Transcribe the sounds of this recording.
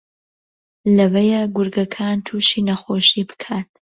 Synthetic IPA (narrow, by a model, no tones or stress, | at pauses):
lɐwɐjaɡʊɾɡɐkʰaːnt̪ʰuːʃiːnɐxoʃiːbɨ̥kʰaːt̪̚